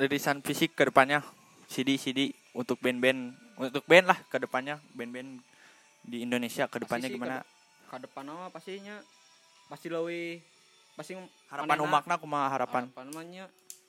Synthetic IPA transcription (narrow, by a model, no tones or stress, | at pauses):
dəɾisanfisɪkːədəpanɲa | sidisidi | unt̪ʊk̚bɛɛnbɛnut̪ʊk̚bɛɛnlahkədəpanɲabɛnbɛɛn | diːndonesiakədəpanɲaɡimana | kadəpanawapast̪iɲa | past̪iləwi | pasi | haɾapanumak̚nakumaɦaɾapanaɲa